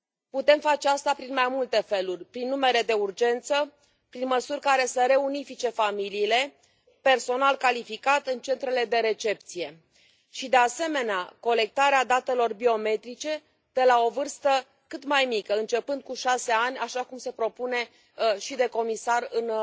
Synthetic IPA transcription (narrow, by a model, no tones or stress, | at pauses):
put̪e̞mfat͡ʃeast̪apɾinmajmult̪e̞fe̞lurʲpɾinːume̞ɾe̞d̪e̞urd͡ʒe̞nt̪sə | pɾinməsurʲkaɾe̞səɾe̞unifit͡ʃe̞familiːle̞ | pe̞rso̞nalkalifikat̪ɨnt͡ʃe̞nt̪ɾe̞le̞d̪e̞ɾe̞t͡ʃe̞p̚t̪sije̞ | ʃid̪e̞ase̞me̞neako̞le̞k̚t̪aɾead̪at̪e̞lo̞rbio̞me̞t̪ɾit͡ʃe̞ | d̪̥e̞lao̞vɨrst̪ə | kɨt̪majmikəɨnt͡ʃe̞pɨnd̪̚kuʃase̞anʲaʃakumse̞pɾo̞pune̞ | ʃid̪e̞ko̞misarɨn